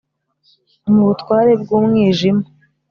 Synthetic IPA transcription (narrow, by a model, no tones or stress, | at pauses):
muβutkwaːɾe̞bɡuːmŋiːʒima